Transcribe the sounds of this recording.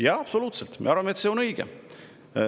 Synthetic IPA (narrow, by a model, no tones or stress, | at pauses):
jɑɑpso̞luːt̪selt̪mḛɑɾvɑmeet̪seːo̞nɤjɡ̥ḛ